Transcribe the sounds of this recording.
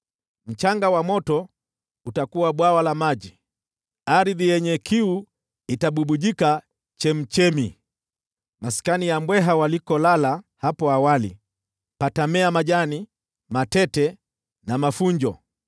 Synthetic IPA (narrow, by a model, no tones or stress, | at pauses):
m̩t͡ʃaŋɡawamɔtɔ | utakuwaɓwawalamaʄi | aɾiðijɛɲɛkʰiu | itaɓuɓuʄika | t͡ʃɛm̩t͡ʃɛmi | masi̥kanijambwɛɦawalikɔlalahapɔawalḭ | patamɛamaʄani | matɛtɛ | namafuɲd͡ʒɔ